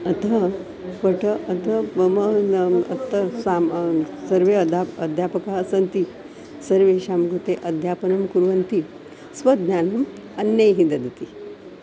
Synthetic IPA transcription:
ɐt̪ɐ | pəʈəːt̪ɐməɐ̰t̪ːɐsamsɐɾʋeɐd̪ʱaəd̪ʱjapɐkaɐsɐnt̪i | sɐɾʋeɕamɡɾut̪eʔɐd̪ʱjapɐnɐmkuɾʋɐnt̪i | sʋɐd̪nanɐm | ɐnjəjɦĩnd̪ɐd̪ɐt̪i

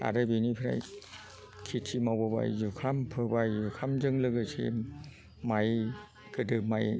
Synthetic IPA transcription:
a̰ɾɯbinipʰɾa̰j | kʰitʰimawbɯba̰jzukʰampʰɯbajzukʰamzɯŋlɯɡɯsʰḭ | maj | kɯdɯmaj

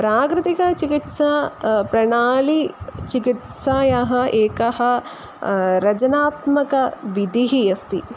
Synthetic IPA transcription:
pɾaːkɾɨt̪ikɐt͡ʃikit̪saːpɾɐɳaːlit͡ʃikit̪saːjɐɦɐ̆eːkɐɦɐ̆ | ɾɐd͡ʒɐnaːt̪mɐkɐʋid̪ʱiɦijɐst̪i

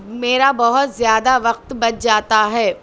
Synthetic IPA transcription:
meːɾabɐɦʊt̪zjaːd̪aʋɐq̚t̪bɐt͡ʃd͡ʒaːt̪aɦɛː

